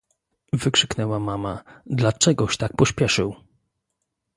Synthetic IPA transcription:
vɘkʂɘknɛwamamad̪lat͡ʂɛɡɔɕt̪ak̚pɔɕpʲjɛʂɘw

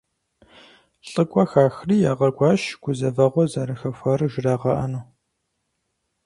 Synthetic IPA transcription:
ɬʼɨɡʷʼɐxaːxriːjaːʁɐɡʷɑːʃɡ̥ʷʊzɐvɐʁʷɔzɐɾɨxɐfʷɐrɨʒɪraːʁɐʔɐnu

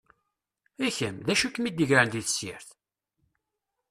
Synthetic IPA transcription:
æçəmðæʃukːmid̪əʝɾand̪iθəsjɪ̰ɾθ

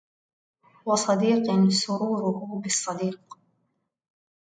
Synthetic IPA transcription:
wɑsˤɑd̪iːqansʊɾuːɾʊhʊbɪsˤːɑd̪iːq

